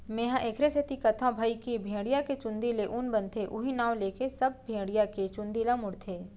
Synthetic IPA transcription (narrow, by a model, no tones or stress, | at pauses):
mẽːɦãʔeːkʰɾeset̪ikɐt̪ʰãbʱaikibʱẽːɽijaket͡ʃʊ̃nd̪ileʔʊnbɐ̃nt̪ʰeʔʊɦinaːʋleːkesɐb̚bʱẽːɽijaket͡ʃʊ̃nd̪ilãmʊɽt̪ʰeː